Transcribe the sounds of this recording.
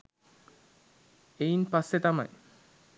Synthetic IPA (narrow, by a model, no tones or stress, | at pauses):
ejnpasːet̪ama̰j